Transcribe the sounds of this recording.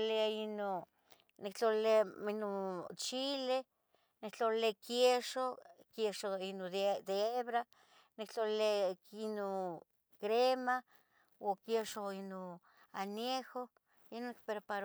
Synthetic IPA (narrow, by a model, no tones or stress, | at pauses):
leaino | nikt͡ɬoleainot͡ʃile | nikt͡ɬollekjeʃokjeʃoinod̪d̪eeβɾa | nikt͡ɬolleino | kɾema | okjeʃoino | aneho | inonik̚peɾpaɾ